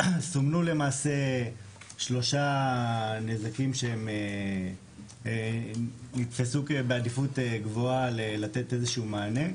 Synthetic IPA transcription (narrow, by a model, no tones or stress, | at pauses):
somnule̞maːse̞ | ʃlo̞ʃa | nezakimʃeeme | nit̪fesukebeadifuteɡvo̞alelat̪e̞t̪e̞zeʃumaːne̞